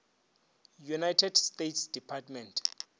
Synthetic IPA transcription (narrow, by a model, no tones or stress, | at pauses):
junajtʰɛdstetsd̥ipʰatmɛ̃ntʰ